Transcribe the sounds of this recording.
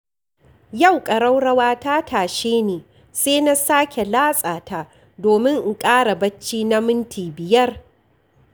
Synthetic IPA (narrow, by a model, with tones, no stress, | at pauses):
ja˦˨wkʼɐ˨ɽɐ˦wɽɐ˦waː˦ta˦tʰaː˨ʃeː˦neː˨ | seː˦na˦saː˦kʲʰe˨laː˦sʼaː˨taː˦ | doː˨mɪ˦ŋʔ̩˨kʼaː˦ɽa˨bɐ˦t͡ʃːiː˦na˦mɪ˦ntʰiː˨bɪ˨jɐ˦r